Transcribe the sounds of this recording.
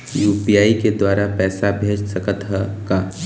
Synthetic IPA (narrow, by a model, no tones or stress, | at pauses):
juːpijaːiked̪waːɾapɛːsabʱeːd͡ʒsɐkət̪ɦɛkaː